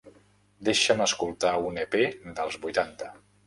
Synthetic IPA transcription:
d̪eʃəməskulˠt̪auneped̪əlˠzβujt̪ant̪ə

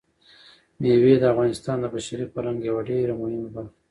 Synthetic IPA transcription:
mewed̪əafɣɑnɪst̪ɑnd̪əbaʃaɾipəlaŋɡjawaɖeɾamʊhɪmabal

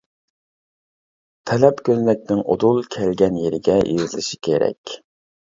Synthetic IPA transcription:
t̪ʰɛlɛpkʲʰøznɛk̚ʲnɪŋʔod̪ulˠkʲʰɛlɡʲɛnjeɾɪɡʲɛjḭzɨlˠɨʃi̥kʲʰeɾɛ̰kʲ

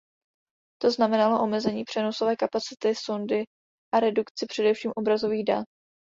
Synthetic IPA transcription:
t̪o̞znamɛnalo̞ʔo̞mɛzɛɲiːpr̥ɛno̞so̞vɛːkapat͡sɪt̪ɪsondɪ | ʔaɾɛdukt͡sɪpr̝̥ɛdɛfʃiːmʔo̞bɾazo̞viːɣda̰t̪

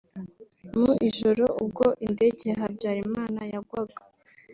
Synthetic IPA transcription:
muʔiʒo̞ɾo̞ub̚ɡo̞ʔinde̞ɟe̞ɦabɟaːɾimaːnajaɡwaɡḁ

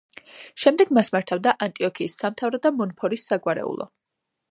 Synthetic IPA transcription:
ʃɛmd̪ɛɡmasmaɾt̪ʰavd̪aʔant̪ʼiɔkʰiːsːamt̪ʰavɾɔd̪amɔnpʰɔɾisːaɡwaɾɛ̰ṵlˠɔ̰

